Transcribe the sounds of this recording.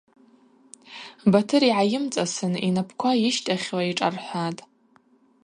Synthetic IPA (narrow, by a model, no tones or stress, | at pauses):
batʰɨɾiʕajɪmt͡sʼasɨninapʰkʷʰajɪʃtʼaχʲwaiʈ͡ʂʼarħʷatʼ